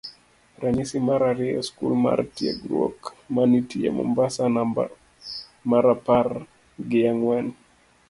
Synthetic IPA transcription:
ɾaɲisimaɾaɾiɔskṵlma̰ɾtia̰ɡɾɔ̰kmanitija̰mɔ̰mbasana | maɾapaɾ | ɡiaŋwani

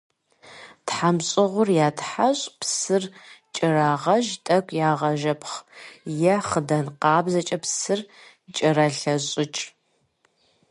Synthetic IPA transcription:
tħamɕʼɪʁʷʊrjaːtħaɕʼpʰsɨrt͡ʃʼɪraːʁɐʒtʼɐkʷʼjaːʁɐʒɐpʰχjɛχədɐnqɑːbzɐt͡ʃʼɐpsɨr | t͡ʃʼɪrɐɬɐɕʼɪt͡ʃʼ

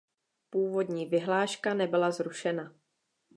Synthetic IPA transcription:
puːvo̞dɲiːvɪɦlaːʃkanɛbɪlazɾuʃɛna

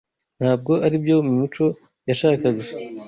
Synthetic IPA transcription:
n̥haːb̚ɡo̞ʔaɾibjo̞mumit͡ʃo̞ | jaʃaːkaɡa

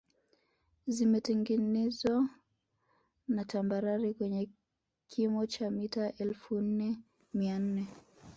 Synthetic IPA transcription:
zimɛtɛŋɡinɛzwa | natambaɾaɾikwɛɲɛ | kiimɔt͡ʃamitaʔɛlfun̩nɛ | mian̩nɛ

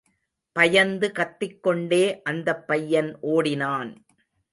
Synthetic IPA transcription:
pɐjɐnd̪ɯkɐt̪ːɪkːɔɳɖeːʔɐnd̪ɐpːɐjːɐnʔoːɽɪnaːn

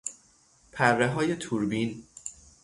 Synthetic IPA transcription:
pʰærːeɦɒːje̞t̪ʰuːɾbiːn

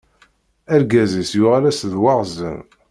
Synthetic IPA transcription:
æɾɡæzisjʊʁalæsðwɑʁzə̰n

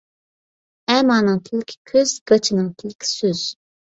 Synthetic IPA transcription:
ɛmɑːnɨŋt̪ʰɪlɪkʲʰkʲʰøzɡ̥ɑt͡ʃʰinɨŋt̪ʰɪlɪkʲʰi̥søz̥

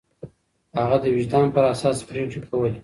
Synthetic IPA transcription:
haɣad̪əwɪd͡ʒd̪ɑnpəɾasɑspɾeʈ͡ʂekʰawəl

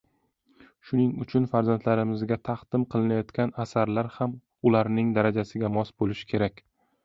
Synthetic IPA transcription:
ʃʊnɪŋʊt͡ʃʰʊnfaɾzant̪ʰlaɾɪmɪzɡʲat̪ʰaqd̪ɪmqʰɨlˠɪnajɒt̪kʲanasaɾlaɾham | ʊlaɾnɪŋd̪aɾad͡ʒasɪɡʲamɒsbolɪʃɪ̥kʲʰe̞ɾakʲ

